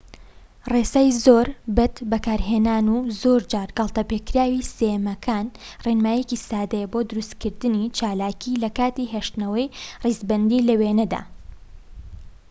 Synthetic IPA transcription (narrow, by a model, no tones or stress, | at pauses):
resaːjzoːɾbɐt̪bɐkaːɾɦenaːnuzoːɾd͡ʒaːɾɡɐlˠt̪ɐpekɾaːwisemɐkʰaːnrenmaːjecisaːd̪ɐjɛbo̞ːd̪ʊɾust̪kɨɾd̪ɨnit͡ʃaːlaːkilɐkaːt̪iɦeʃt̪nɐwɐjrizbɐnd̪ilɐweːnɐd̪a̰ː